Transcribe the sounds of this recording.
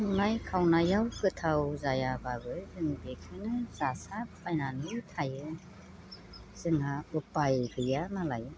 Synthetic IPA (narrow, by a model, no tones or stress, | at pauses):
najkʰawnajawkɯtʰawzajababɯzɯŋbekʰɯnɯzasappʰajnanɯtʰajɯ | z̥ɯŋaɯpajkɯjanalaj